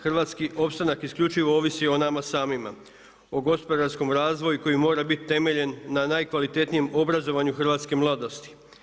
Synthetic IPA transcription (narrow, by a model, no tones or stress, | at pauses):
xɾʋat̪skiʔo̞pst̪anakiskʎut͡ʃiʋo̞o̞ʋisio̞namasaːmima | o̞ɡo̞spo̞d̪aɾsko̞mɾaːzʋo̞juko̞jimo̞ːɾabit̪t̪e̞me̞ʎe̞nːanajkʋalit̪e̞t̪nije̞mo̞bɾazo̞ʋaɲuxrʋaːt̪ske̞mlˠad̪o̞st̪i̥